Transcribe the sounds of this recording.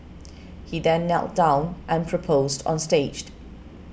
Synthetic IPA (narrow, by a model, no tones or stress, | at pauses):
hiðɛ̃nːɛ̰lˠʔd̥ãʊ̃nʔə̃npʰɹ̥əpʰoʊzd̰̃n̩steɪd͡ʒ